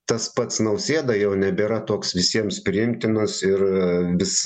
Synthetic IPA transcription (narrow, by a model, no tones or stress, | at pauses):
t̪ɐspɐt̪snɐʊsʲeːd̪ɐjɛʊnʲɛbʲeːɾɐt̪oɔksʋʲɪsʲiɛmspʲɾʲɪɪmʲt̪ʲɪnɐsɪrʋʲɪs